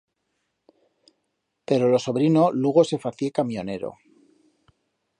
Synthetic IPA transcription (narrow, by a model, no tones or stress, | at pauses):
pe̞ɾo̞lo̞so̞βɾino̞luɣo̞se̞faθje̞kamjo̞ne̞ɾo̰